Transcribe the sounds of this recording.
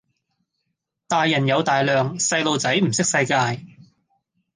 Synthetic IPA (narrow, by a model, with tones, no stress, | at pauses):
t̪aː˨jːɐ˨˩njɐ˨˧wt̪aː˨jlœː˨ŋsɐ˧jlo˨˧wt͡sɐ˨˥jm̩˨˩sɪ˥k̚sɐ˧jkaː˧j